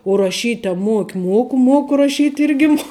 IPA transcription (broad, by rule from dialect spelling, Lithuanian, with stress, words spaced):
ʊ rɐˈʃʲiːtʲ ɐ ˈmuɔkʲɪ ˈmuɔkʊ ˈmuɔkʊ rɐˈʃʲiːtʲ ˈɪrʲɡʲɪ muɔ